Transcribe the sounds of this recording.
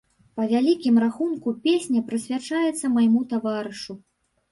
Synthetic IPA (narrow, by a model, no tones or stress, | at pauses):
pɐvʲalʲikʲimraxunkupʲesʲnʲɐpɾɨsʲvʲat͡ʂajɛt̪sːɐmajmut̪avaɾɨʂu